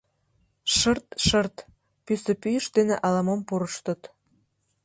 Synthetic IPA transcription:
ʃərt̪ʃərt̪ | pysə̆pyjəʃd̪eneʔɑlɑmompuɾəʃt̪ə̆t̪

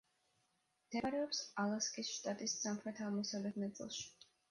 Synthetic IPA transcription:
md̪̥ɛɾɛɔpsalˠaskʼisʃt̪ʼat̪ʼissamχɾɛt̪ʰavmɔsalɛt̪ʰnat̪sʼḭlˠʃi̥

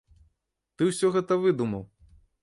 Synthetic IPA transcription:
t̪ɨwsʲɔɣɛt̪ɐvɨd̪umɐw

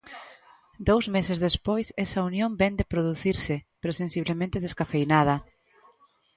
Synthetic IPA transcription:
d̪owzmesezðespojsɛsɐunjõmbɛnd̪epɾoðuθiɾsɪpeɾosẽnsiβ̞lemẽnt̪eðeskafejnað̞ɐ

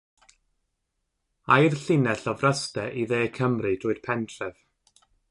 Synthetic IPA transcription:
ajrɬɪnɛɬɔvrəstɛʔiðeːkʰəmrɨd̥ʰʊːɨd̥pʰɛntʰrɛv̥

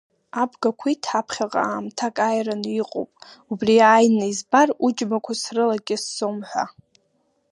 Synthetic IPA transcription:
abɡakʷʰitʰħapʰχʲaqʼa̰aːmtʰakʼajraniqʼo̰wpʼubriajnaizbarud͡ʒmakʷʰasrɨlaɡʲɪsːomħʷa̰

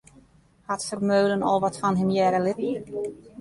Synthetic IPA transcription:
hɑtsərmøɥlənɔ̰lˠʋɑtfɑnɦɪmjɛːɾəlɪt

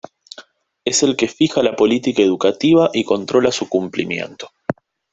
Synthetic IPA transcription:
e̞se̞lke̞fixalapo̞lit̪ikaeðukat̪iβ̞aʔiko̞nt̪ɾo̞lasukumplimjḛnt̪o̥

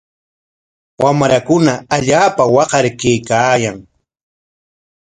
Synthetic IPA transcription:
wamɾakʊnaaʎaːpawɑqɑɾkejkaːjaŋ

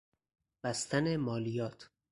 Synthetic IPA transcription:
b̥æst̪ænemɒːlijɒːt̪ʰ

